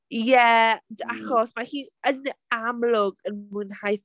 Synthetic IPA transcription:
jɛdaχɔsmahiːnənamlʊɡənmɨnhaj

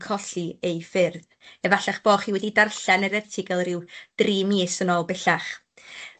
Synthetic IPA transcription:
kʰɔɬiejfɪrð | ɛvaɬaχb̥oːχiwɛdidarɬɛnɛɾɛrtʰɪɡɛlˠrɪwd̥riːmiːsənɔlˠbɛɬaχ

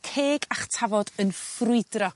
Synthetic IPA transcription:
kʰeːɡaχtʰavɔdənfrʊɨdrɔ

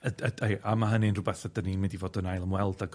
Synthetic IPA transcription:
ədədejamaɦəninrʊbɛθadəninmɪndivoːdənajlˠəmwɛlˠdaɡ

